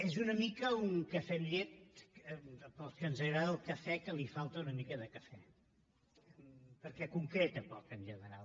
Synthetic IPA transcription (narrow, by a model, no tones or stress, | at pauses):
ezunəmikəuŋkəfɛmʎet̪̚ | pəlˠskənzəɣɾaðəlˠkəfɛkəlifalˠt̪əunəmikəðəkəfɛ | pəɾkɛkuŋkɾet̪əpɔkənʒənəɾal